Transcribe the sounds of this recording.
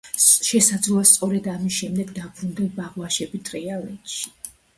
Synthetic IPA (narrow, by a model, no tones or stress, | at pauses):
ʃɛsad̪zluast̪sʼɔɾɛd̪amisʃɛmd̪ɛɡd̪abɾund̪ɛnbaʁwaʃɛbit̪ʼɾɛalɛt̪ʃi̥